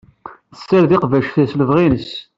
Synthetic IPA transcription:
θəsːæɾðiqvæʃθæsləvʁinəs

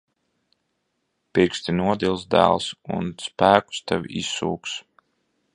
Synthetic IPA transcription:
piɾkst̪inuɔd̪ʲilˠsd̪æ̰ːlˠsṵnspæːku̥st̪ɛvʲisːuːks

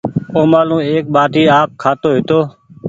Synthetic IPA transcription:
oːmaːlũːeːk̚ɓaːʈiːaːp̚kʰaːt̪oːɦɪt̪oː

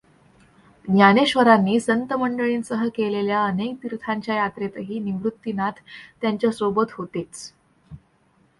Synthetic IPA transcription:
njaneɕʋəɾanːiːsənt̪əməɳɖəɭiːnsəɦəkeleljaənek̚t̪iɾt̪ʰaɲt͡ɕjajat̪ɾet̪əɦiːniʋɾut̪ːinat̪ʰːjaɲt͡ɕjasobət̪ɦot̪et͡s

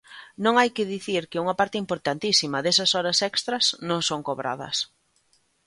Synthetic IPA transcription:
nõŋajkɪðiθiɾkɪuŋɐpaɾt̪ɪimpoɾt̪ant̪isimɐðesɐsɔɾɐsɛkst̪ɾɐsnõŋsoŋkoβɾa̰ðɐ̰s

